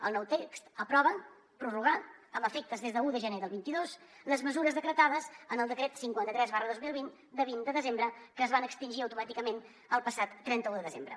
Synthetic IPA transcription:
əlˠnɔwt̪ekst̪əpɾɔβ̞ən | pɾuruɣ̞aəməfek̚t̪əzðezðəuðəʒəneðəlˠβint̪iðosləzməzuɾəzðəkɾət̪aðəzənəlˠd̪əkɾet̪siŋkwant̪ət̪ɾɛzβarəðozmilˠβin | d̪əβind̪əðəzembɾəkəːzβanəkst̪inʲʒiəwt̪umat̪ikəmen | əlˠpəsat̪ːɾɛnt̪əuðəðəzembɾə̰

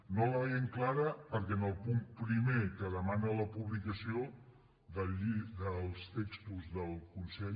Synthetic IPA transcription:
noləβɛjeŋklaɾəpəɾkɛnəlˠpumpɾimekəðəmanələpuβlikəsio | ðəiðəlˠst̪ekst̪uzðəlˠkunsɛ

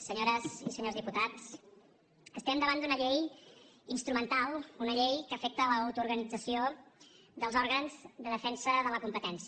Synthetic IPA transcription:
səɲoɾəzisəɲozðiput̪at͡s | əst̪ɛmd̪əβand̪unəʎej | inst̪ɾumənt̪alˠunəʎejkəfɛk̚t̪əːləːwt̪uɾɣənid͡zəsio | ðəlˠzɔɾɣənzd̪əðəfɛnsəðələkumpət̪ɛnsi

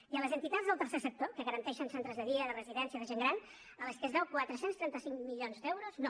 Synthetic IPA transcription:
iələzənt̪it̪at̪zðəlˠt̪ərsesək̚t̪okəɣəɾənt̪ɛʃənsɛnt̪ɾəzðəðiəðərəziðɛnsiəðəʒeŋɡɾan | ələskəzðɛwkwat̪ɾəsenst̪ɾɛnt̪əsiŋmiʎonzd̪ɛwɾozno

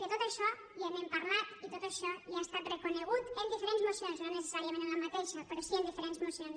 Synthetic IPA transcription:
kəet̪ot̪əʃɔ | jəmempaɾlat̪it̪ot̪əʃɔjiast̪at̪rəkuneɣut̪ənd̪ifeɾenzmusionznonese̥saɾiəmẽnənləmət̪eʃəpəɾɔsiənd̪ifeɾenzmusions

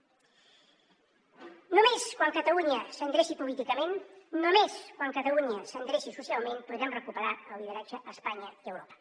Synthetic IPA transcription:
numeskwaŋkət̪əluɲəsəŋɡɾesipulit̪ikəmenːumeskwaŋkət̪əluɲəsəŋɡɾesisusialˠmenpuðɾɛmrəkupəɾaəlˠlið̞əɾad͡ʒəʔəspaɲəiəwɾopə̥

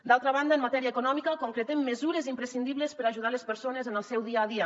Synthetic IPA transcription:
d̪alˠt̪ɾəβ̞and̪əmmat̪ɛɾiəːkunɔmikəkuŋkɾət̪emːəzuɾezimpɾəsind̪iβləspəɾaʒuð̞alespəɾsonezənəlˠsɛwðiaːðiə

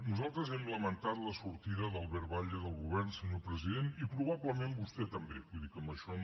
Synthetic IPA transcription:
nuzalˠt̪ɾəzɛmləmənt̪at̪ləsuɾt̪iðəðəlˠβɛɾβaʎəðəlˠɣuβɛrnsəɲopɾəziðenipɾuβ̞aβləmembust̪ɛt̪əmbeβujðikəmbəʃɔ

